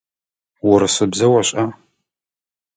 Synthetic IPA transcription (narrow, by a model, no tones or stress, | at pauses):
wʊɾɨsɨbzɐwɐɕʼa